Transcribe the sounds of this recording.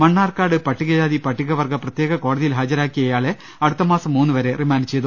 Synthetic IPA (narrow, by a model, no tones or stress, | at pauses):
mɐɳːaːrkaːɽɨpɐʈːiɣɐd͡ʑaːðipɐʈːiɣɐʋɐrɡɐprɐt̪jeːɣɐko̞ːɽɐðijilɦaːd͡ʑɐɾaːkːijɐjaːɭe | ɐɽut̪ːɐmaːsɐmːuːnːɨʋɐɾe̞rimaːnit͡ɕːejðu